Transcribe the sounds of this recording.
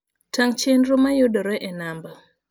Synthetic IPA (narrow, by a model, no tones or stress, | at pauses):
taŋt͡ʃendɾomajodɔɾɛʔɛnambɔ